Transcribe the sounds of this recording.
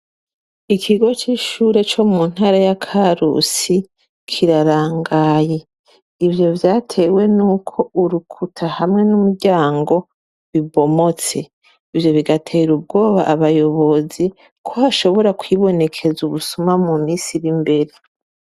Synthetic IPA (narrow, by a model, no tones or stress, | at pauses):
ikʰiɡo̞t͡ʃiːʃuːɾe̞t͡ʃo̞mmun̥haɾajakʰaɾṵsi | kʰiɾaɾaːŋɡaːje̞ | ivjo̞vjaːtʰe̞we̞nuːkʰo̞ʔuɾukʰutʰahamŋe̞numuɟaːŋɡo̞ | βiβo̞mo̞t͡se̞ | ivjo̞βiɡatʰe̞ːɾub̚ɡo̞ːβa̰ʔaβajo̞βo̞zi | kʰo̞haʃo̞βo̞ɾakwiβo̞ne̞kʰe̞zuβusumamumiːnsiɾimbe̞ɾe